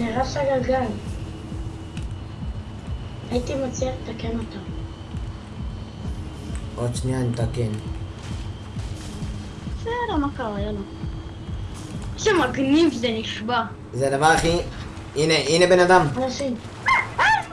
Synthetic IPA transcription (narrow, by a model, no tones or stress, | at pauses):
neʁaʃaɡalɡal | ait̪imat͡sialet̪akenot̪am | ʔod̪ʃnianet̪aken | seɾamakaʁajalo | ʃemaɡnivzeniʃba | zed̪avaʁaχi | ineʔinebenad̪amanaʃim